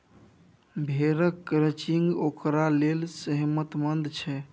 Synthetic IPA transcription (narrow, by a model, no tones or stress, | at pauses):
bʱeɾəkːɾət͡ʃiŋɡokɾalelsəɦmət̪mənd̪t͡ʃʰɛ